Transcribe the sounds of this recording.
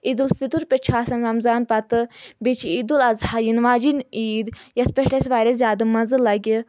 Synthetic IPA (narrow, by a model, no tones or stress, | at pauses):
id̪ulfit̪uɾpʲet͡ʃʰaːsɐnɾɐmzaːnpɐt̪ɨbet͡ʃʰiid̪ulɐzhajinʋaːd͡ʒiniːd̪jɐspʲeʈɐsʲʋaːɾʲɐzʲjaːd̪ɐmɐzɨlɐɡi